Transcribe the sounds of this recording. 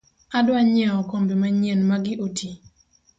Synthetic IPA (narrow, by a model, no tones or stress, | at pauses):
adwaɲɛɔkombimaɲɛnmaɡɪʔotʰi